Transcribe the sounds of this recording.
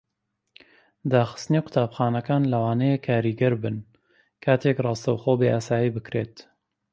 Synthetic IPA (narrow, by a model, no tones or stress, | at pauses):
d̪aːxɨ̥st̪ɨneːkʰʊ̥t̪ʰaːbxaːnɐkaːnlɐwaːnɛjekʰːaːɾiɡɛɾbɨn | kʰaːt̪ʰeːkrˤɑːst̪ɐwxoːbeːʔaːsaːjiːbɨkɾḛːt̪